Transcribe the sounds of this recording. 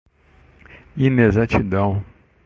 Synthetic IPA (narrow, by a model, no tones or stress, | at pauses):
inezat͡ʃid̪ɐ̃w̃